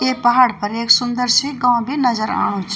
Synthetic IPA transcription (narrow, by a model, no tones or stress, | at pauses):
epɐɦaːɽpəɾeːksʊ̃nd̪əɾsiɡãːʊ̃bʱinɐzəɾa̰ːɽ̃oːt͡ʃʰ